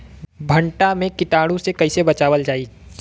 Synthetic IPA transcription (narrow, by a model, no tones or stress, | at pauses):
bʱɐ̃ɳʈamẽkɪʈaːɽũsekɐɪsebɐt͡ʃaːʋəld͡ʒaːi